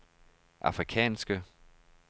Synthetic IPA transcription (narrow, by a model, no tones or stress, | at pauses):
ʔɑ̈fʁikʰɛ̰ːnsɡ̥ə